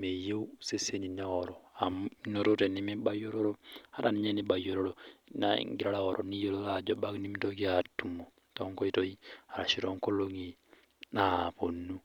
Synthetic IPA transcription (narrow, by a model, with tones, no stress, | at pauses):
me˨je˦u˦se˦se˦ni˨na˦ɔ˨ɾɔ˨a˨mno˨ɾo˦tɛ˨ni˦mi˦ba˦jo˦ɾo˦ɾo˦ha˦ɾa˨ni˦ɲɛ˦ni˨ba˨jo˨ɾo˦ɾonaḭ˨ŋɡi˨ɾa˦la˦ɔ˨ɾʔɔ˨ni˦jo˦lo˦la˨d͡ʒɔ˦ba˦kni˦m˦to˦ki˦a˨tu˨mo˨ | tɔ˦ŋkɔ˦i˦to˦i˦a˨ɾa˨ʃi˨ɾɔ˨ŋko˦lo˦ŋi˨ | na˨po˨nu˦